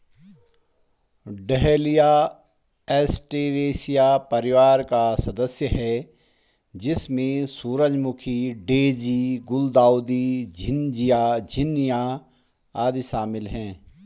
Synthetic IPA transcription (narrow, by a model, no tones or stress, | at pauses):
ɖɛɦlija | ɛːsʈeːɾeːsijapɐɾɪʋaːɾkasɐd̪əsjəɦɛː | d͡ʒɪsmẽsuːɾəd͡ʒmʊkʰiɖeːd͡ʒiɡʊld̪aːʊd̪id͡ʒʱɪnd͡ʒijaːd͡ʒʱɪnija | aːd̪iʃaːmɪlɦɛ̃ː